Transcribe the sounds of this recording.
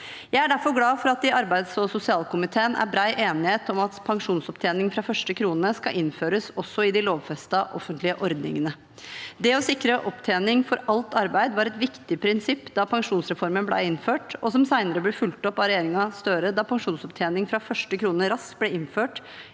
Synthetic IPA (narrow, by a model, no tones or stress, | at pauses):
jæɪæɖæɾfɔɾɡlɑːfɔɾɑt̪ɪʔɑɾbæɪd̪sɔsʊsɪɑːlkʊmɪt̪ʰeːənæ̰ɾbɾæɪʔeːnɪheːt̪ɔmɑt̪pʰɑŋʂuːnsɔp̚t̪ʰeːnɪŋfɾɑfœʂʈəkʰɾuːnəskɑʔɪnføːɾəsɔsːɔɪd̪ɪloːʋfɛst̪ɑʔɔfənt̪lɪəʔɔɾd̪nɪ̰ŋənə | d̪ɛɔsɪkɾəʔɔpt̪ʰeːnɪŋfɔɾɑlt̪ɑɾbæɪd̪əʋɑɾɛt̪ʋɪkt̪ɪpʰɾɪnsɪpːd̪ɑpʰɑŋʂuːnsɾɛfɔɾmənblæ̰ɪɪnføːʈɔsɔmsæɪnəɾəblɛfʉlt̪ɔpːɑɾɛjeːɾɪŋɑst̪œɾəd̪ɑpʰɑŋʂuːnsɔpt̪ʰeːnɪŋfɾɑfœʂʈəkʰɾuːnəɾɑskblɛɪnføːʈ